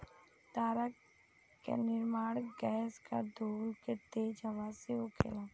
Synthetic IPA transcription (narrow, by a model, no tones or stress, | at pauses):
t̪aːɾəkː | ḛnɪɾmaːɽɡɛːskad̪ʱoːlket̪eːd͡ʒɦɐʋaseokʰḛːlaː